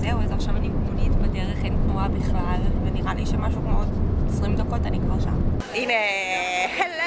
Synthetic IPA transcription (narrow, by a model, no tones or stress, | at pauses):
zeuezaʁʃamanimolit̪bedeʁeχent̪nuabiχlalveniʁalʔḭʃemaʃukmootesʁimd̪ako̞tanikvaʁʃa̰m | ine